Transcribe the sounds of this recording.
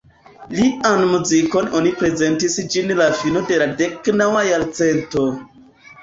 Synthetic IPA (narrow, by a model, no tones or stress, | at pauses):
lianmuziko̞no̞nipɾe̞ze̞ntisd͡ʒinlafino̞de̞lade̞knawajaɾt͡se̞nto̞